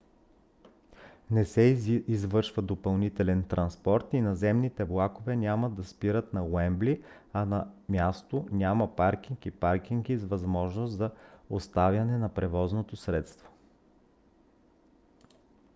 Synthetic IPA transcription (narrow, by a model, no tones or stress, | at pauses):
nɛsɛizvɤɾʃvəd̪opɐlˠnit̪ɛlɛnt̪ɾʔɐnspɔɾt̪inɐzɛmnit̪ɛblˠakovɛnʲaməd̪ːɐspiɾət̪nɐwɛmbli | ɐnɐmʲjast̪onʲamɐpaɾk̟iŋkipaɾk̟ʲiŋkizvɐzmɔʒnost̪zɐost̪avʲjɐnɛnɐpɾɛvɔznot̪osɾɛt̪st̪vo̥